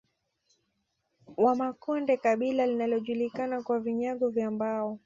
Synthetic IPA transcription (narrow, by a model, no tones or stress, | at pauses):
wamakɔndɛkaɓilalinalɔʄulikanakwaviɲaɠɔvjambaɔ